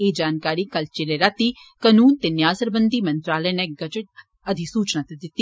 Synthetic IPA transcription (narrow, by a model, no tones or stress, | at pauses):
eːd͡ʒaːnkaːɾiːkɐlt͡ʃeleɾat̪ikənuːnt̪eːnjaːsəɾbənd̪iːmə̃nt̪ɾaːlənẽɡət͡ʃə | əd̪ʱisuːt͡ʃnat̪ed̪ɪt̪ːi